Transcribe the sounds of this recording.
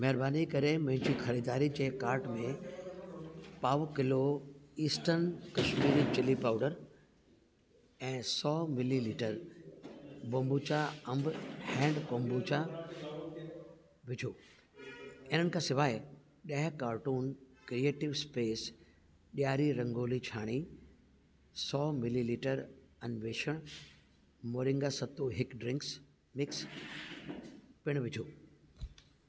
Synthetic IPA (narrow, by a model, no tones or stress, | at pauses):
mɛɦɪɾbaːnikɐɾemɐ̃ɦɪ̃ɲd͡ʑixʰɐɾid̪aːɾid͡ʑeːkaːɾʈmẽ | paːʋkɪloiːsʈəɾnkɐʃmiːɾit͡ɕɪlipaːʊɖəɾ | ɛ̃ːsɔːmɪliliːʈəɾ | bɐ̃mbut͡ɕaɐ̃mbhɛ̃ːɳɖkõːmbut͡ɕa | ʋɪd͡ʑʱoː | ɪn̤ənɪkʰãːsɪʋaːɪ | ɗɐɦɪkaːɾʈuːnkɾieːʈɪʋspeːs | ɓijaːɾiɾɐ̃ŋɡoːlit͡ɕʰaːɽ̃i | sɔːmɪliliːʈəɾɐnʋeːʃəɽ̃ | moːɾɪ̃ŋɡasɐt̪oɦɪkɖɾɪ̃ŋks | mɪks | pɪɽ̃ʋɪd͡ʑʱoː